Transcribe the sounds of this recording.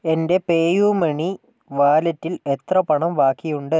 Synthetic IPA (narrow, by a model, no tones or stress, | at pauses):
e̞nde̞pe̞ːjuːmeɳi | ʋaːlɐtːile̞t̪rɐpɐɳɐmʋaːkːijuɳɖɨ